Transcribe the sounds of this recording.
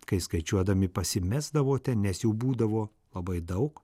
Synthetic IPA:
kɐɪskɐɪt͡ʃʲuɔd̪ɐmʲɪpɐsʲɪmʲæzd̪ɐʋoːt̪ʲɛnnʲɛsjɛʊbuːd̪ɐʋoː | lˠɐbɐɪd̪ɐʊk

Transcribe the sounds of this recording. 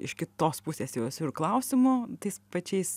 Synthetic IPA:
ɪ̰ʃkʲɪt̪oːspʊsʲeːsjɛʊɛsʲʊɪɾklˠɐʊsʲɪmoːt̪ɐɪspɐt͡ʃʲɛɪs

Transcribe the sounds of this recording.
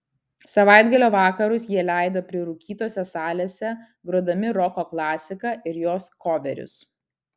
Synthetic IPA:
sɐʋɑˑɪd̪ɡɐlʲoːʋɑːkɐɾʊsjiɛlʲæˑɪd̪oːpʲɾʲɪɾʊkʲiːt̪oːsʲɛsɑːlʲeːsʲɛ | ɡɾuɔd̪ɐmʲɪɾɔkoːklˠɑːsʲɪkɐʔɪɾjoːskoːʋʲɛɾʲʊ̰s

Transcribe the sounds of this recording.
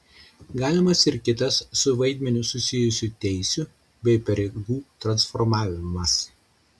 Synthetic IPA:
ɡɑːlʲɪmɐsɪɾkʲɪt̪ɐsːʊʋɐɪd̪ʲmʲɛnʲʊsʊsʲɪjʊsʲuːˑt̪ʲɛɪsʲʊ | bʲɛɪpɐɾʲeɡuːt̪ɾɐnsfɔɾmɑːʋʲɪmɐs

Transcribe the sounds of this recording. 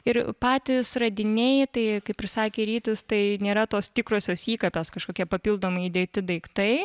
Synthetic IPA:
ɪɾpɑːt̪ʲɪsrɐd̪ʲɪnʲeːjt̪ɐɪkɐɪpʲɾʲɪsɑːkʲeːɾʲiːt̪ʲɪst̪ɐɪnʲeːɾɐt̪oːst̪ʲɪkɾoːsʲoːsiːkɐpʲɛskɐʃkoːkʲɛpɐpʲiːlˠd̪oːmɐɪid̪ʲeːt̪ʲɪd̪ɐɪkt̪ɐɪ

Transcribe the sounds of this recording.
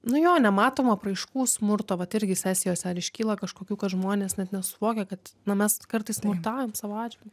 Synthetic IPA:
nʊjoːnʲɛmɑːt̪oːmɐpɾɐɪʃkuːsmʊrt̪oːʋɐt̪ɪɾʲɡʲɪsʲæːsʲɪjoːsʲɛɐɾɪʃʲkʲiːlˠɐkɐʃkoːkʲuːkɐt̪ʒmoːnʲeːsnʲɛt̪nʲɛsʊʋoːkʲekɐt̪nɐmʲɛskɐrt̪ɐɪsmʊrt̪ɑːjoːmsɑːʋoɑːd͡ʒʲʋʲɪlʲd̥̪ʲu

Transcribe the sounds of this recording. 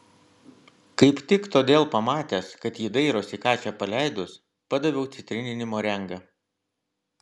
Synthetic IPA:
kɐɪpt̪ʲɪkt̪oːd̪ʲeːlˠpɐmɑːt̪ʲæskɐt̪jiːd̪ɐɪɾoːsʲiːkɑːt͡ʃʲɛːpɐlʲæɪd̪ʊs | pɐd̪ɐʋʲɛʊt̪sʲɪt̪ʲɾʲɪnʲɪnʲɪmoːɾʲɛŋɡɐ

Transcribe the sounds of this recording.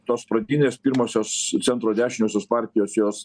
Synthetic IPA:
t̪oːspɾɐd̪ʲiːnʲeːspʲiːɾmoːsʲoːst̪sʲɛnt̪ɾoːd̪ʲæːʃʲɪmʲoːsʲoːspɑɾʲt̪ʲɪjoːsjoːs

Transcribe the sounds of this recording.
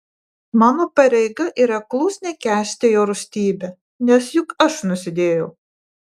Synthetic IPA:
mɑːnoːpɐɾʲɛɪɡɐʔiːɾɐklˠuːsʲnʲɛkʲæːsʲt̪ʲejoːɾʊsʲt̪ʲiːbʲɛ | nʲɛsjʊkɐʃnʊsʲɪd̪ʲeːjɛʊ

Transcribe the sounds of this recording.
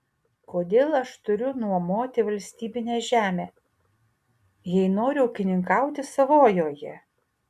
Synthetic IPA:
koːd̪ʲeːlˠɐʃt̪ʊɾʲʊnuɔmoːt̪ʲɪʋɐlʲsʲt̪ʲiːbʲɪnʲeːʒʲæːmʲeː | jɛɪnoːɾʲʊɐʊkʲɪnʲɪŋkɑˑʊt̪ʲɪsɐʋoːjoːjɛ

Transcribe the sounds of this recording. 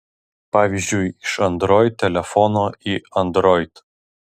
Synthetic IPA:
pɑːʋʲizʲd͡ʒʲʊɪɪʃɐnd̪ɾɔɪt̪̚ʲːɛlʲɛfɔnoːiɐnd̪ɾɔɪt̪

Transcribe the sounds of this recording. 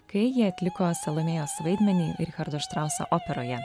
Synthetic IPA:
kɐjiɐt̪ʲlʲɪkosʲɛlˠɐmʲɛjoːsʋɐɪd̪ʲmʲɛnʲiːɪɾʲxɐɾd̪oʃt̪ɾɑˑʊsɐ̰ʔɔpʲɛɾoːjɛ

